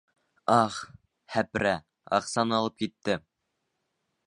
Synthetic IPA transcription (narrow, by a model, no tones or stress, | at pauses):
ɑχ | hæpɾæ | ɑ̰qsɑnɑlˠɤp̚kit̪ːɘ